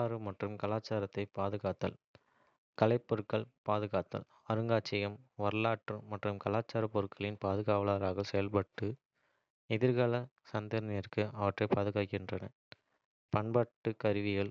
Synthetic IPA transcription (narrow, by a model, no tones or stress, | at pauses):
aːɾɯmɐʈrɯmkɐlaːt͡ʃːaːɾɐt̪ːɐɪpaːðɯɣaːt̪ːɐ̰l | kɐlɐɪpːɔɾɯkːɐɭpaːðɯɣaːt̪ːɐ̰l | ɐɾɯŋɡaːt͡ʃːɐjɐmʋɐɾɯlaːʈrɯmɐʈrɯmkɐlaːt͡ʃːaːɾɐpːɔɾɯkʰːɐɭɪnpaːðɯɣaːʋɐlaːɾaːɣɐsɛjɐlpɐʈːɯ | ɛðɪɾɣɐlɐ | sɐnd̪ɐɾnɐjɪrkɯɐʋɐʈrɐɪpaːðɯɣaːkɪndrɐnɐ | pɐɳbɐʈːɯkɐɾɯʋɪɣɐɭ